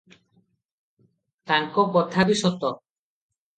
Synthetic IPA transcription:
t̪aŋkɔbɔtʰabisɔt̪ɔ

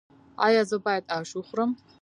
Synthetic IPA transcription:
a̰jazobajtʼaʃuχʷram

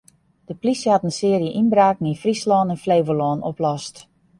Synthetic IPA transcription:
d̥əplisəatənsɪːərjəʔinbraːknifrislɔːnənfleːvəlɔːnoplɔst

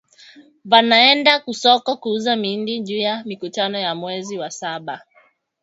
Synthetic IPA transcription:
vanaɛndakusɔkɔkuuzamindiʄuːjamikutanɔjamwɛziwasaɓa

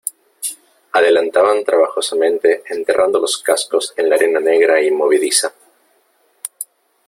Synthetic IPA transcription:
aðe̞lant̪aβant̪ɾaβaxosamẽ̞nt̪e̞ːnt̪e̞rʔand̪o̞lo̞skasko̞se̞nlaːɾe̞nane̞ɣɾaimo̞β̞iðisa

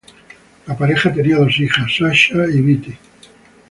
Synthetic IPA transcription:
lapaɾexat̪eniaðo̞sixasːaʃaiβit̪i

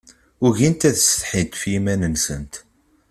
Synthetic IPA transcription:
ʊʝint̪æðsə̥t̪ħit̪fjimænənsə̰nt̪

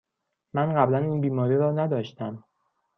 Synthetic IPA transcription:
mænɢæblæniːnbiːmɒːɾiːɾɒːnæd̪ɒːʃt̪æm

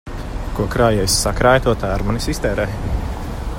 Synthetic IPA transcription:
kuɔkɾaːjɛjsːakɾaːjt̪uɔt̪aɾmanisist̪ɛːɾɛːj

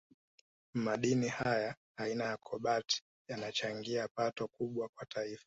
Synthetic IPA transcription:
maɗinihajaː | inajakʰɔɓati̥ | janat͡ʃaŋɡiapatɔkuɓwakwatʰaifḁ

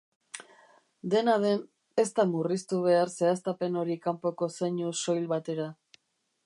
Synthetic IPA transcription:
d̪e̞naðe̞n | e̞st̪amurist̪uβ̞e̞aɾse̞ast̪ape̞no̞ɾikampo̞ko̞seɲuso̞jlβat̪e̞ɾa

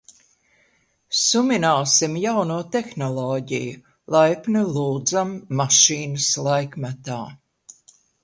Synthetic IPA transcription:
sumʲinaːsimjawnuːt̪exnɔlˠɔːɟḭju | lˠajpnulˠuːd̪zamːaʃiːnɐslˠajkmat̪aː

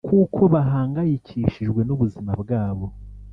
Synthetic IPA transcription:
kuːkʰo̞βaɦaːŋɡajicʰiːʃiʒɡwe̞nuβuzimabɡaːβo̞

